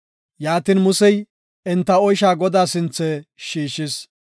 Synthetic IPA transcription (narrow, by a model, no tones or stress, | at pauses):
jaːt̪inmʊsɛj | ɛnt̪ːɐɔjʃ̬aːɡɔd̪aːsɪnt͡sːɛʃiːʃɪs